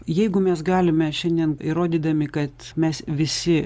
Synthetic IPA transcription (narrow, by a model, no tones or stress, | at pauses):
jɛɪɡʊmʲɛsɡɑːlʲɪmʲɛʃʲɛnʲd̪ʲiɛniɾoːd̪ʲiːd̪ɐmʲɪkɐt̪mʲɛsʋʲɪsʲɪ